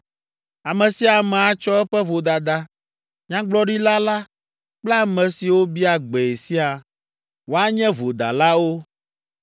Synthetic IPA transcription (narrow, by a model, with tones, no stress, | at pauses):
a˨mɛ̃˨si˨a˨mɛ̃˨a˨t͡ʃɔ˦ɛ˦ɸɛ˦vo˨d̪a˨d̪a˦ | ɲã˦ɡ͡blɔ˦ɖi˦la˦la˦ | k͡pla˦mɛ̃˨si˨wo˦bi˦a˨ɡ͡bɛ˨e˨si˦a˨ | wo˦a˦ɲɛ̃˦vo˨d̪a̰˨la˦wo˦